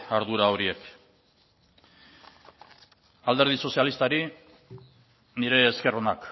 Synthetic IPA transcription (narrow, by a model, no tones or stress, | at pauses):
aɾðuɾao̞ɾie̞k | ald̪eɾð̞iso̞sialist̪aɾi | niɾe̞ːske̞ro̞nak